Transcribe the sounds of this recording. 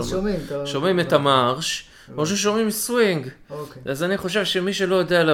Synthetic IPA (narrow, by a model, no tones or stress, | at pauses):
ʃo̞mimet̪amaʁʃ | oʃ̬eʃ̬o̞mimswiŋɡazaniχo̞ʃe̞vʃemiʃelo̞jod̪eala